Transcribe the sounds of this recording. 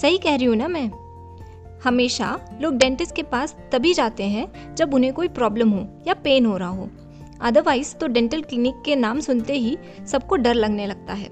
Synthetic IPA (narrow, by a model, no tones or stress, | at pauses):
sɐɦikɛɦɾiɦũnamɛ̃ː | hɐmeːʃa̰loːɡ̚ɖɛ̃ːɳʈɪsʈkepaːst̪ɐbʱid͡ʒaːt̪eɦɛ̃ | d͡ʒɐbʊnɦẽkoːipɾɔːbləmɦojapeːnɦoːɾɐɦaɦoː | ɐd̪əʋaːɪzt̪oɖɛ̃ːɳʈəlklinɪkːenaːmsʊnt̪eɦi | sɐb̚koɖɐɾlɐɡnelɐɡ̚t̪aɦɛ̰ː